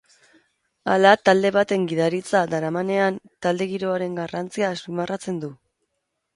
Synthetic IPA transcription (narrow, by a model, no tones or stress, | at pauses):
a̰lat̪ald̪e̞βat̪e̞ŋɡiðaɾit͡sad̪aɾamane̞ant̪ald̪e̞ɣiɾo̞aɾe̞ŋɡarant͡siasumarat͡se̞nd̪u